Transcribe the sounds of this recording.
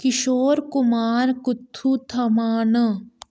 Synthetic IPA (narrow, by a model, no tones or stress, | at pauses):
kɪʃoːɾkʊmaːɾkʊt̪ʰːut̪ʰɐmaːnə